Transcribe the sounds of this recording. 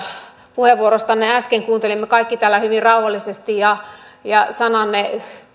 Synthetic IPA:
puheʋʋuoɾost̪ɑnːeæskeŋkuːnt̪elimːekɑikːit̪æːlːæhyʋirrɑuhɑlːisest̪ijɑjɑsɑnɑnːe

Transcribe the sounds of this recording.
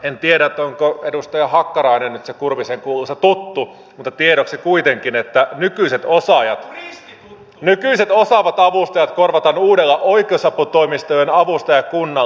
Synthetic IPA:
ent̪ieɾæet̪ːˑoŋkoedust̪ɑjɑhɑkːɑɾɑinennyt̪sekurʋiseŋkuːluset̪ut̪ːu | mut̪ːɑt̪ieɾoksikuit̪eŋkinet̪ːænykyiset̪osɑjɑt̪ | nykyiset̪osɑʋɑt̪ɑʋust̪ɑjɑt̪korʋɑt̪ɑnuːdelːɑʔoikˑeousɑpːut̪oimist̪ojenɑʋust̪ɑjɑkunːɑ

